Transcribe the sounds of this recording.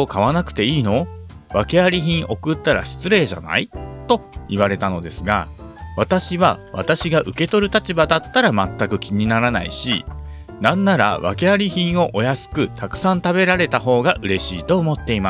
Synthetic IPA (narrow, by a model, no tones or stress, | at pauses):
okaβanakɯ̥t̪e̞iːno̞ | βake̞aɾʲiçĩɰ̃ʔo̞kɯ̟t̪ːaɾa̰ɕi̥t͡sɨɾe̞ːʑa̰na̰it̪o̞iβaɾe̞t̪ano̞d̪e̞sɨɡa̰βat̪aɕiβaβa̰t̪aɕiɡaʔɯ̟ke̞t̪o̞ɾɯ̟t̪at͡ɕibad̪at̪ːaɾamat̪ːakɯ̟kʲiɲ̟inaɾana̰ḭɕḭ | nãnːaɾa̰βa̰ke̞aɾʲiçĩɰ̃o̞ʔo̞jasɨ̥kɯ̟t̪akɯ̟̥sãnt̪abe̞ɾaɾe̞t̪aɦo̞ːɡaʔɯ̟ɾe̞ɕḭːt̪o̞ːmo̞t̪ːe̞ima